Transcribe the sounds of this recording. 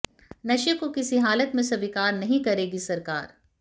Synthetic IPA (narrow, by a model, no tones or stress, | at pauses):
nɐʃəkokɪsiɦaːlət̪mẽsɐbɪkaːɾnɐɦĩkɐɾeːɡisɐɾkaːɾ